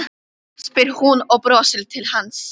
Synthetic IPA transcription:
spɪɾhunɔɣpɾɔːsɪlt̪ʰɪlhans

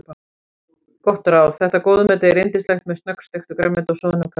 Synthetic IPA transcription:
kɔht̪ʏɾawθɛht̪akoːwðʏmɛːt̪aɛɾejnt̪ɪ̥slaxt̪mɛðst̪nœkst̪ext̪ʏkɾɛmːɛnt̪ɔsɔːðʏnamkʰa

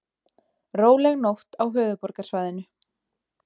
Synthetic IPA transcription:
roːwlɛɣnowht̪awɦœːðʏpɔɾkḁsvaːjðɪnʏ

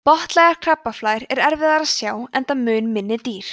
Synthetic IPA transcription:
pɔht̪lɛɣaɾ̥kʰr̥apːaflaːjɾɛɾɛɾvɪðaɾaðsjaːwɛnt̪amʏːnmɪnːɪt̪iːɾ̥

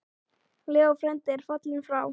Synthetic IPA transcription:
lɛːɔfɾɛnt̪ɪɾ̥fat̪lɪnfɾaw

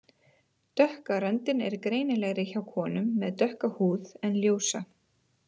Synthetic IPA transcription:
t̪œhkaɾɛnt̪ɪnɛ̰ɾkɾeːjnɪlɛɣɾɪçawkʰɔːnʏmːɛðt̪œhkahuːðɛnljoːwsa

